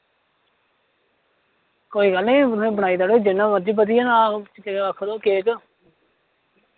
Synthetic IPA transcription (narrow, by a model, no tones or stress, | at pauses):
koːiːɡəlnĩːnẽːbəɳaːiːd̪aːɽoid͡ʒɪnːãːməd͡ʒiːpəd̪̬iːaːnãːəkʰːd̪oːkeːk